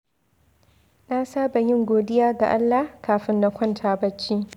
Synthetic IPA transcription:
naː˦saː˦ba˨jɪ˦ŋɡʷoː˨dɪ˦jaː˦ɡa̰˨ʔa˦lːa˨kaː˨ɸɪ˦nːa˦kʷʰɔ˦ntʰaː˨bɐ˦t͡ʃːiː˦

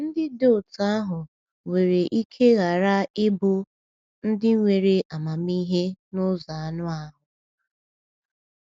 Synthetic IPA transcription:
n̩˦dɪ˦do˦˨ta˦ɦʊ˨ | ŋʷe˨ɾe˨ʔi˦kʰe˦ɣa˨ɾa˦ɪ˦bʊ˦ | n̩˦dɪ˦ŋʷe˨ɾe˨ʔa˨ma˨mi˦ɦe˦nʊ˦za˨a˨nʊ˦a˦ɦʊ˨

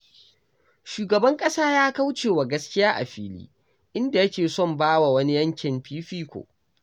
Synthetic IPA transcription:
ʃuː˨ɡɐ˨bɐ˦ŋkʼɐ˦saː˦jaː˦ka˦wt͡ʃeː˨wa˨ɡɐ˦skʲɪ˦jaː˦ʔa̰˨ɸḭː˦lḭː˦ | ʔɪ˦nda˨jɐ˦kʲeː˨sɔ˦˨mbaː˦wa˨wɐ˦ni˦jɐ˦ŋkʲɪ˨mpiː˦ɸiː˦kʷo̰˨ʔ

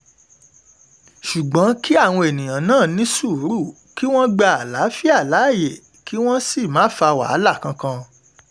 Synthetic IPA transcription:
ʃu˨ɡ͡bɔ̃˨˦ki˦a˦˨w̃ɔ̃˧e˨nĩ˨j̃ã˨nãː˦˨nĩ˨˦su˦˨˦ɾu˦˨ | ki˦w̃ɔ̃˦ɡ͡ba˦˧a˨la˨˦fi˦a˦˨la˨˦˨je˨ | ki˦w̃ɔ̃˦si˦˨mãː˨˦fa˧wa̰˨˦la˦˨kã˧kã˧

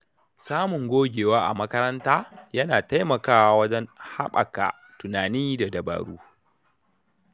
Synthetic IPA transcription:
saː˦mʊ˨ŋɡʷoː˦ɡʲeː˨waː˦ʔa̰˨mɐ˦kɐ˦ɾɐ˦ntaː˦jɐ˦naː˨ta˦jmɐ˨kaː˦wa˦wɐ˦d͡ʒɛ˦nha̰˦ɓɐ̰˨ka̰˨ | tʊ˨naː˨niː˦da˨dɐ˨ba̰ː˨ɽuː˦

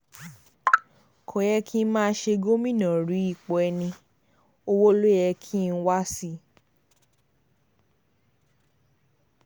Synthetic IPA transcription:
kʰõ˨jɛ˧kʰi˦mãː˦˧˦ʃe˧ɡo˦mĩ˦˨nã˨ɾi˨˦i˦˨k͡pɔ˨ɛ˧nĩ˧ | o˧wo˦lo˦jɛ˧kʰi˦˧n̩˦wa˦si˦

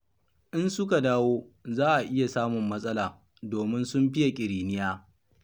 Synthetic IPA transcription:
ʔɪ˦nsʊ˦ka˨daː˦woː˦zaː˦ʔa˨ʔɪ˦ja˨saː˦mʊ˨mːɐ˦sʼɐ˦laː˨ | doː˨mɪ˦nsʊ˦mɸɪ˦ja˨kʲʼɪ˨ɾiː˨nɪ˦jaː˦

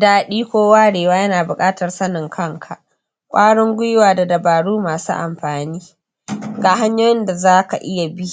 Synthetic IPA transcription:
daː˦˨ɗiː˦kʷoː˦waː˦ɽeː˨waː˦jɐ˦naː˨bʊ˨kʼaː˦tɐ˨rsɐ˦nɪ˨ŋkʰɐ˦˨ŋkʰa˨ʔ | kʷʼaː˦ɽʊ˦ŋɡʷʊ˦jwaː˨da˨dɐ˨baː˨ɽuː˦maː˨sṵː˦ʔa˨mɸaː˨niː˦ | ɡaː˨ɦa˦ɲjoː˦jɪ˦nda˨zaː˦ka̰˨ʔɪ˦ja˨bi˦

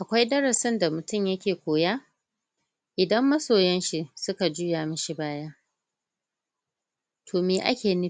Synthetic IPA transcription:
ʔa˨kʷa˦jdɐ˦ɽɐ˨sɪ˦nda˨mʊ˨tʊ˦mjɐ˦kʲeː˨kʷoː˨jaː˦ | ʔɪ˨dɐ˦mːɐ˦soː˨jɐ˦nʃi˦sʊ˦ka˨d͡ʒuː˦jaː˨mɐ˦ʃi˦baː˦jaː˦ | tʰoː˨meː˨ʔa̰˦kʲeː˨ni˦

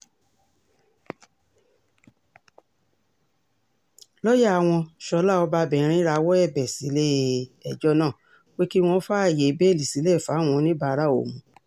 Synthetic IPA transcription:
lɔ˦ja˦˨a˨w̃ɔ̃˧ʃɔ˧˦la˦˨ɔ˧ba˧bɛ̃˨ɾ̃ĩ˦ɾa˧wɔ˦ɛ˦˨bɛ˨si˨˦le˦˨ɛ˨d͡ʒɔ˦nãː˦˨ | we˦ki˦w̃ɔ̃˧˦fa˦a˦˨je˨˦be˦˨li˨si˨˦le˦˨fa˨˦˨w̃ɔ̃˧nĩ˦ba˧˨˧ɾa˦˨o̰˨mũ˨˦

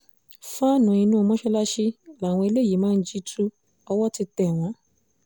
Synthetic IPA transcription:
fa˦nũ˨˧˨ĩ˧nũ˦˧mɔ̃˦ʃɛ˦la˦ʃi˧la˨w̃ɔ̃˧i˧le˦˨ji˨˦mãː˦˧n̩˦d͡ʒi˦tʰu˦ | ɔ˧wɔ˦ti˧tɛ˦˨w̃ɔ̃˨˧˦

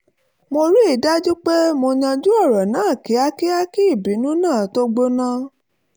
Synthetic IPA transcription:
mo˧ɾi˦i˦˨da˦d͡ʒu˦k͡pe˦mo˧ɲã˧d͡ʒu˦ɔ˦˨ɾɔ˨nãː˨˦˨ki˨˦a˦ki˦a˦ki˦i˦˨bi˨˦nũ˦nãː˦˨to˦ɡ͡bo˧nã˧˦

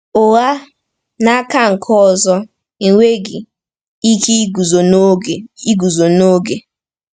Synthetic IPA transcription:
ʊ˨ɣa˦ | na˦ka˦ŋ̩˨kʰɔ˦˨zɔ˦ | i˨ŋʷe˦ɡi˨ | i˦ki˦ɡu˨zo˨˦˨i˦ɡu˨zo˨no˦ɡe˨

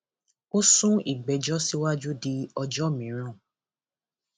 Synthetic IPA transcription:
o˦sũ˦i˨ɡ͡bɛ˨d͡ʒɔ˦si˦wa˦d͡ʒu˦di˧ɔ˧d͡ʒɔ˦˨mĩ˨˦ɾ̃ɔ̃˦˨

